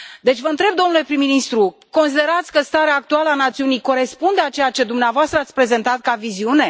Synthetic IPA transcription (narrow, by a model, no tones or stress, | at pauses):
d̪e̞t͡ʃʲvəɨnt̪ɾe̞bd̪o̞mnule̞pɾimːinist̪ɾu | ko̞ns̬id̪e̞ɾat̪sʲkəst̪aɾeaːk̚t̪ualəanat̪siunijko̞ɾe̞spund̪eat͡ʃe̞jat͡ʃe̞d̪umneavoast̪ɾəat̪sʲpɾe̞ze̞nt̪at̪̚kaviziune̞